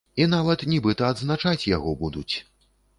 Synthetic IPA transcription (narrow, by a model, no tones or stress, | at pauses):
inavɐt̪nʲibɨt̪ɐːd̪znat͡ʂat͡sʲja̰ɣɔbud̪ut͡sʲ